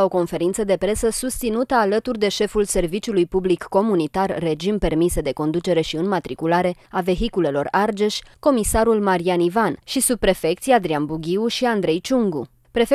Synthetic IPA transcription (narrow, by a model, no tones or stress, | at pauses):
o̞ko̞nfe̞ɾint̪səd̪e̞pɾe̞səsust̪sinut̪əalət̪urd̪e̞ʃe̞fulse̞rvit͡ʃulujpublikːo̞munit̪arːe̞d͡ʒimpe̞rmised̪e̞ko̞nd̪ut͡ʃe̞ɾe̞ʃiɨnmat̪ɾikulaɾe̞ave̞ɦikule̞lo̞̰rard͡ʒe̞ʃʲko̞misaɾulmaɾianivanʃisub̚pɾe̞fe̞k̚t̪siad̪ɾianbuɡʲiuʃiand̪ɾe̞jt͡ʃuŋɡṵ | pɾe̞f